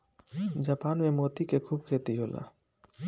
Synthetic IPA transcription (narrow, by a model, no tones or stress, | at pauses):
d͡ʒaːpaːnmẽmoːt̪ikekʰuːb̚kʰeːt̪iɦoːlʔa̰ː